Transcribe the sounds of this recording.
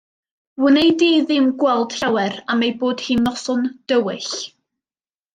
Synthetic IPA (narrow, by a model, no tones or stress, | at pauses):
wənejdiːðɪmɡwɛlˠd̥rawɛɾamejboːd̥hiːnːɔsʊnd̥əwɪɬ